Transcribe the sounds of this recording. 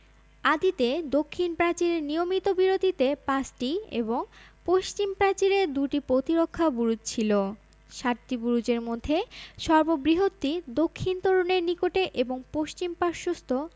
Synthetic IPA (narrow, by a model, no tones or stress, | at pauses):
ad̪it̪ed̪okʰːinpɾat͡ɕiɾeɾnijomit̪obiɾod̪ʱit̪epãsʈiḛboŋpoʃt͡ɕimpɾat͡ɕiɾed̪uʈipɾot̪iɾokʰːabuɾud͡ʑ̚t͡ɕʰilo | ʃaʈʈibuɾud͡ʑeɾmod̪ʱːeʃɔɾbobɾiɦot̪ːid̪okʰːint̪oɾoneɾnikoʈeʔeboŋpoʃt͡ɕimpaɾʃost̪ʰo